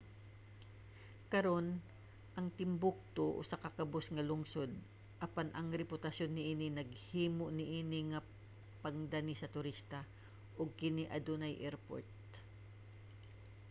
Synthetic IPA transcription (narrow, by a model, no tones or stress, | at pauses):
kɐɾo̞n | ʔɐŋt̪ɪmbʊk̚t̪oʔo̰sɐkɐkɐbosŋɐlʊŋsod̪̚ | ʔɐpanʔɐŋɾɛpʊt̪ɐsjonːɪʔiːnɪnɐɡ̚hiːmoʔnɪʔiːnɪŋɐ | pɐŋd̪anisɐt̪ʊɾist̪ɐ | ʔoɡ̚kɪniʔɐd̪onɐjʔɛɾpo̰ɹt̪̚